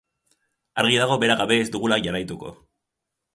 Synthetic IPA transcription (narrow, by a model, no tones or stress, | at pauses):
aɾɣiðaɣ̞o̞be̞ɾaɣaβe̞ːzd̪uɣulaʝarajt̪uko̞̰